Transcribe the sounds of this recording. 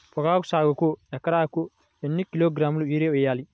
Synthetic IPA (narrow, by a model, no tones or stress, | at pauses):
pɔkaːkusaːɡɔkɔjakːaɾakɔ | jɛnːikːiloɡɾamuliɾɛɔjali